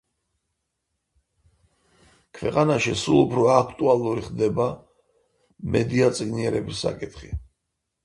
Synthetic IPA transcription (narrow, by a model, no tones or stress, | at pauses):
kʰvɛqʼanaʃisulˠupʰɾɔakʰt̪ʼualˠuɾiχd̪ɛba | mɛd̪iat̪sʼiɡniɛɾɛbisːa̰kʼit̪ʰχḭ